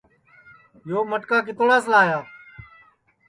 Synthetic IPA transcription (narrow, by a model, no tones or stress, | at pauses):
joːməʈkaːkɪt̪oɽaːs̬laːjaː